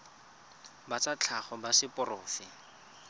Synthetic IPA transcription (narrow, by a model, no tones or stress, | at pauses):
bat͡sat͡ɬʰaχɔbasɪpʊrʊːfɪ